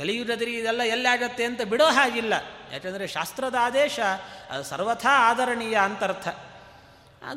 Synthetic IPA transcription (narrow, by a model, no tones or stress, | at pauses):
kɐlijud͡ʒɐd̪ɐɾiid̪ɛlːɐɛlːaːɡɐt̪ːeɐnt̪ɐbiɽoːɦaːɡilːɐja̰ːkɐnd̪ɐɾeʃa̰ːst̪ɾɐd̪aːd̪ɛːʃɐɐ̰d̪usɐ̰ɾʋɐt̪ʰaːaːd̪ɐɾɐɳijɐːnt̪ɐɾt̪ʰɐ | ɐ̰